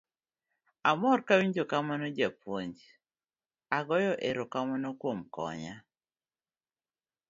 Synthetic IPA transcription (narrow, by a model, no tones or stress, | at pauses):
amɔrkawiɲd͡ʒokamanɔd͡ʒapwoɲd͡ʒ | aɡɔjɔʔeɾokamanɔkwomkɔ̰ɲa̰